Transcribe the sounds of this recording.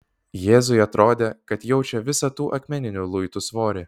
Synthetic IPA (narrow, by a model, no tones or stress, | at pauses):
jeːzʊɪɐt̪ɾoːd̪ʲeːkɐt̪jɛʊt͡ʃʲɛʋʲɪsɐt̪uːʔɐkʲmʲɛnʲɪnʲuːlˠʊɪt̪usʋoːɾʲɪ